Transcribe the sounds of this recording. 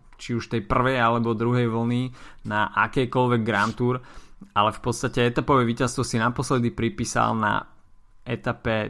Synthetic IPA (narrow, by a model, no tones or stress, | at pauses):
t͡ʃiuʃt̪ɛjpr̩ʋɛjalɛbɔd̪ɾuɦɛjʋl̩ninaʔakɛjkɔlʋɛɡ̚ːɾant̪uːɾalɛfpɔt̪st̪acɛɛt̪apɔʋɛʋiːcast̪ʋɔsinapɔslɛd̪ipɾipiːsa̰lna̰ | ɛt̪apɛ